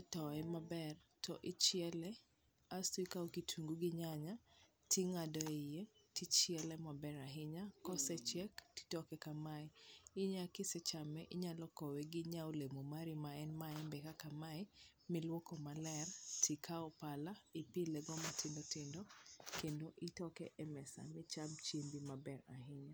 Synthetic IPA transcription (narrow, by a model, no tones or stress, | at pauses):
tɔɛmabɛrtʰɔʔɪt͡ʃɪɛlɛ | astikaokitʰuŋɡuɡɪɲaɲa | tiŋadɔɛje | tit͡ʃɪɛlɛmabɛɾaɦɪɲakɔsɛt͡ʃɛktɪ̥tɔkɛkamaɛɪɲakɪsɛt͡ʃamɛʔɪɲalɔkɔwɛɡɪɲaolemomaɾɪmaɛnmaɛmbɛkakamaɛ | mɪlwokɔmalɛrtʰikʰaɔpalaɪpɪlɛɡɔmatɪndɔtɪndɔkendoʔitɔkɛ̰ʔɛmɛsa̰mɪt͡ʃamt͡ʃembimabɛɾaɦɪɲa